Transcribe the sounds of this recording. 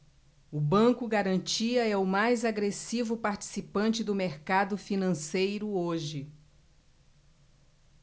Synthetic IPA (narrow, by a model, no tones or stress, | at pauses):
ʊbɐ̃kʊɡaɾɐ̃nt͡ʃiɐɛʊmajzaɡɾesivʊpaɾt͡ʃi̥sipɐ̃nt͡ʃɪd̪ʊmeɾkad̪ʊfinɐ̃sejɾʊoʒɪ